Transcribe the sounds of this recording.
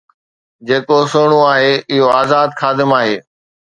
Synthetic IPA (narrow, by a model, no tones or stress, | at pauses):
d͡ʑeːkosoːɽ̃uaːɦeːɪɦoaːzaːd̪xaːd̪ɪmaːɦeː